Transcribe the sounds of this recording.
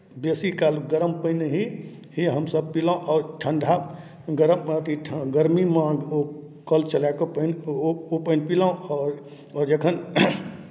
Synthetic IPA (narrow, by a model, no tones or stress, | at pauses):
besikalɡəɾəmpəɪneɦi | hiɦəmsəb̚pilãʔɔːɾʈʰənd̪ʱa | ɡəɾəmːat̪iʈʰɡəɾmimao | kəlt͡ʃəlakopənopəɪnpilãɔːɾ | ɔɾd͡ʒekʰən